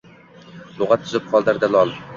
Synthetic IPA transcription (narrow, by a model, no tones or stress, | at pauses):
lˠʊʁɑt̪ʰːʊzɪp̚χʰɒlˠd̪aɾd̪alˠɒlˠ